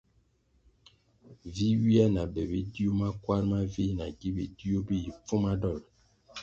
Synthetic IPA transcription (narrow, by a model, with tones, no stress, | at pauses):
vi˦wi˦a˦na˨bɛ˨be˦di˦o˦ma˦kwa˦ɾma˦vi˦na˨ɡi˦be˨di˦o˦be˦i˨p͡fu˦ma˦dɔ˦˨l